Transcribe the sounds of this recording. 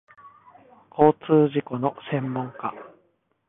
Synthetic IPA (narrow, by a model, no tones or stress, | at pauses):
kʰo̞ːt͡sɨːʑiko̞no̞sẽ̞mːõ̞ŋka